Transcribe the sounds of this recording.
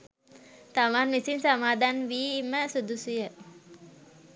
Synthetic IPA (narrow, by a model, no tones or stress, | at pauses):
t̪aʋanmisinsamaːd̪ʱanʋiːiməsud̪ʱusujə